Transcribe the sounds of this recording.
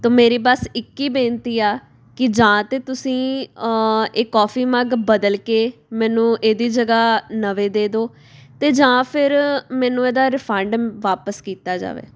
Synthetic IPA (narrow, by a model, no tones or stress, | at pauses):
t̪oːmeːɾiːbəsɪkːiːbeːnt̪iːaː | kɪd͡ʒãːt̪eːt̪ʊsĩː | eːkːɔːpʰiːməɡbəd̪əlkeːmɛːnũːʔeːd̪iːd͡ʒəɡaːnəʋeːd̪eːd̪oː | t̪eːd͡ʒãːpʰɪɾmɛ̃ːnũːeːd̪aːɾɪpʰɛ̃ɳɖʋaːpəskiːt̪aːd͡ʒa̰ːʋḛː